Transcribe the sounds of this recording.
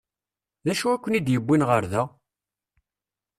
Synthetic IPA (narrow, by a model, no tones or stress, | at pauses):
ðæʃuækʷːənid̪jəbːinʁəɾðæ